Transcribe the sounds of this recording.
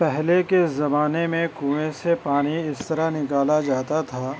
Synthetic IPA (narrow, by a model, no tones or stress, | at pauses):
pɛɦlekeszɐmaːnemẽkuːʋẽsepaːñiɪst̪ɐɾanɪkaːlad͡ʒaːt̪at̪ʰaː